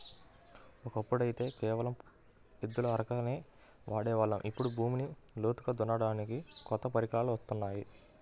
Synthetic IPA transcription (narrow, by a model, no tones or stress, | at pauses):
ɔkɐpːuɽɐjit̪e̞ːkɛːʋɐlɐm | id̪ːulɐɐɾɐkɐneː | ʋʔaːɽɛːʋaːɭːɐ̰mʔipːuɽubʱuːminiloːt̪u̥kɐd̪unɐɽaːnikikɔt̪ːɐpɐɾikaːluʋɐst̪unːaːji